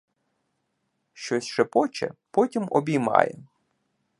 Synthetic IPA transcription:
ʃt͡ʃɔsʲʃɛpɔt͡ʃɛ̰pɔtʲimɔ̰bʲijmɑ̰jɛ̰

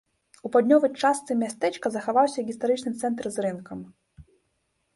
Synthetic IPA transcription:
upad̪ʲnʲɔvɐjt͡ʂast̪sɨmʲast̪ɛt͡ʂkɐzɐxavawsʲɐɣʲist̪aɾɨt͡ʂnɨmt̪sɛnt̪ɾɨzɾɨnkʰɐm

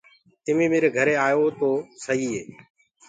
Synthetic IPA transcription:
ɪmiːmeːɾeːɡʱəɾeːaːjoːt̪oːsəɦiːɦeː

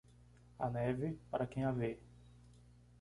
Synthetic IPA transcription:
a̰nɛvɪpaɾɐkẽj̃ave

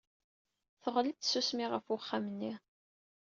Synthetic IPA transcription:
θəʁlit̪ːsusmiʁəfʊχːamənːi

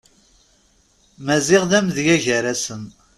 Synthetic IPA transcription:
mæzɪʁðæmðjæʝəɾæsən

